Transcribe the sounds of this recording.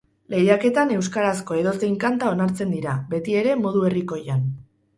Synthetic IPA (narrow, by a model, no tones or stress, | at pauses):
le̞jake̞t̪ane̞wskaɾasko̞e̞ðo̞sejŋkant̪ao̞naɾt͡se̞nd̪iɾabe̞t̪ie̞ɾe̞mo̞ð̞ue̞riko̞jan